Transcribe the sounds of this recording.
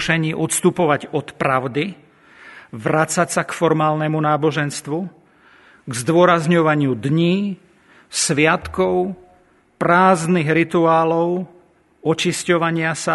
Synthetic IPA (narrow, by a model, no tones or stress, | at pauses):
ʃɛɲiːʔɔt̪st̪upɔʋaɟɔt̪pɾaʊd̪i | ʋɾat͡sacsakfɔɾmaːlnɛmunaːbɔʒɛnst̪ʋu | ɡzd̪ʊɔɾazɲɔʋaɲɪud̪ɲiː | sʋɪat̪kɔʊ | pɾaːzniɣɾit̪uaːlɔʊ | ɔt͡ʃiscɔʋaɲɪasa